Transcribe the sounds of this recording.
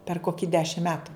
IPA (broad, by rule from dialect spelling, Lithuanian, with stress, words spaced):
pʲɛr ˈkoːkʲɪ ˈdʲæːʃʲɪm ˈmʲæːtʊ